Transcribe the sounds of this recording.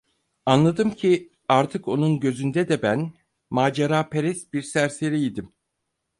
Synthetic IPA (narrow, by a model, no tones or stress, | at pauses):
anlˠad̪ɯmcʰi | aɾt̪ʰɯko̞nunɟø̞zynd̪ɛd̪ɛbæn | maːd͡ʒaɾaːpʰeɾɛsbiɾsæɾseɾijid̪im